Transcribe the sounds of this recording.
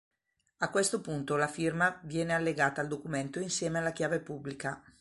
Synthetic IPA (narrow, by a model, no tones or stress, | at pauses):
akːwest̪opunt̪olafirmavjɛːnealːeɡaːt̪aːld̪okument̪oinsjɛːmealːakjaːvepubːlika